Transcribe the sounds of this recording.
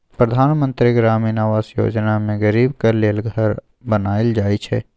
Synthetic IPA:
pɾəd̪ʱaːnmə̃nt̪ɾiɡɾaːminaːʋaːsjo̰ːd͡ʒnamẽɡəɾiːbkɐɾleːlɡʱɐɾ | bɐnaːeld͡ʒaːit͡ʃʰɛ̰ː

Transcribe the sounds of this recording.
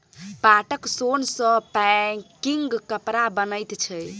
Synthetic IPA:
paʈəksonsə̃pɛkiŋɡkəpɾabənəjt̪t͡ʃʰəj

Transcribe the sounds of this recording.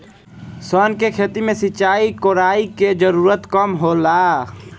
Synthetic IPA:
sɔːnkekʰeːt̪imẽsɪt͡ʃaːikoːɾaːiked͡ʒəɾuːɾət̪kəmɦoːlaː

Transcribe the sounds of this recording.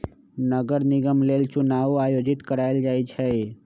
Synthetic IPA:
nəɡəɾnɪɡəmleːlt͡ʃʊnaːuaːjoːd͡ʒɪt̪kəɾaeld͡ʒaːit͡ʃʰɛ

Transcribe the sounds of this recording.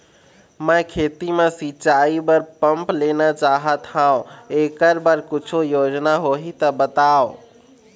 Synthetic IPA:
mə̃kʰet̪imesit͡ʃaibəɾpəmplenat͡ʃaɦət̪hãõekəɾbəɾkit͡ʃʰojod͡ʒnaɦoɦit̪əbət̪aõ

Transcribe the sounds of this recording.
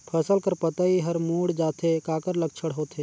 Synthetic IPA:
pʰɛːsəlkəɾpɐt̪aiɦɐɾmuːɽd͡ʒaːt̪ʰekaːkəɾlək̚t͡ʃʰəɽɦoːt̪ʰeː

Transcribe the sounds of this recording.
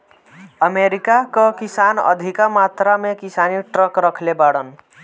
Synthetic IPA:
əmeɾikakəkisanə̰d̪ʱikamat̪ɾamekisaniʈɾəkɾəkʰlebaɽən

